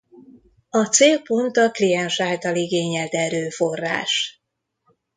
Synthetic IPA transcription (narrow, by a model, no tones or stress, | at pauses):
ɒt̪seːlpo̞nt̪ɒklijɛnʃaːlt̪ɒliɡeːɲɛlt̪ɛɾøːfo̞rːa̰ːʃ